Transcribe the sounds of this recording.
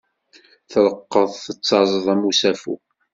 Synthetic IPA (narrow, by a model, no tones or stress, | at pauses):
θləqːəðˤθət͡sːɑzˤəðˤæmusæfṵ